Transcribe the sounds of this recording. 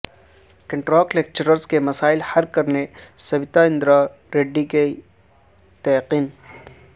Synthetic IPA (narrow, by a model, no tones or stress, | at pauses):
kɐ̃ɳʈɾɔːklek̚t͡ʃəɾəɾskemɐsaːɪlhɐɾkːɐɾnesɐbɪt̪aɪ̃nd̪ɾa | ɾeːɖːike | t̪ɐjqiːn